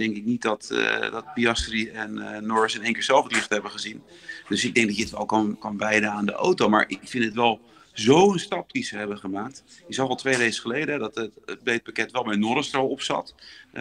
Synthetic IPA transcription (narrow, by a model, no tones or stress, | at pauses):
d̥ɛŋkɪk̚nit̚dɑtdɑt̚biɑstriɛnːɔɹsɪnejŋkɪːɹz̥ɛlˠfətlɪχtəɦɛbəχəzin | d̥ɵsɪɡ̚dɛŋɡdɑtɪtʋɛlˠkɑnkɑnʋɛjdənaːndəʔo̰wtowma̰ːɹʔɪkfɪntətʋɛlˠ | zowənstɑp̚dizəɦɛbəχəmaːk̚tjəzɑwʋɛlˠtʋejrejkəχəlejdəɛdɑtətbejt̚pakɛtʋɛlˠmɛnɔɾəstrɔwɔpsɑ̰t